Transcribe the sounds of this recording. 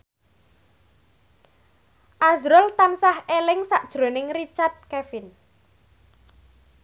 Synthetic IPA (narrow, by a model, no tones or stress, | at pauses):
ʔazɾʊlt̪ansahelɪŋsaʔd̥ʒ̥ɾonɪŋrit͡ʃard̪̚kɛfɪn